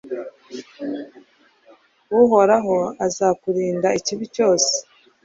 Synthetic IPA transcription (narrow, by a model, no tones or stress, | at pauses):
wuɦo̞ɾaɦo̞azakuɾiːndaiciβico̞ːse̥